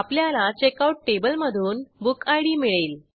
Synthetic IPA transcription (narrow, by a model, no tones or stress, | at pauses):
apljalat͡ɕekauʈ̚ʈebəlməd̪ʱuːnbukajɽiːmiɭeːl